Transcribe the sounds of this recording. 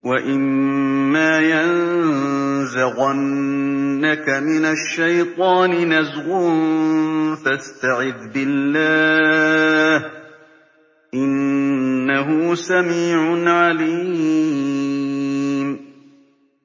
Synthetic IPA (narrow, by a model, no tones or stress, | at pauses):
waʔɪmː | aːjan | zaɣanː | akamɪnaʃːajt̪ˤɑːnɪnazɣʊ | fast̪aʕɪðbɪlːaː | h | ʔɪnː | aɦʊsamiːʕʊnʕaliː | m